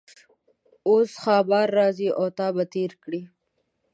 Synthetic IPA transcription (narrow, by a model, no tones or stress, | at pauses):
osxɑːbɑɾːɑziʔot̪ɑːbat̪eːɾkɽi